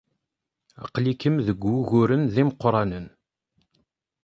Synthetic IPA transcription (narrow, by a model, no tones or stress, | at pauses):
ɑ̰qlikəmðəɡʷuɣʊɾənðiməqːɾˤɑnən